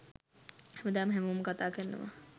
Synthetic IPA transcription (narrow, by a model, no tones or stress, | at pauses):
hæməd̪aːməɦæməʋmːəkat̪aːkəɾənə̰ʋa̰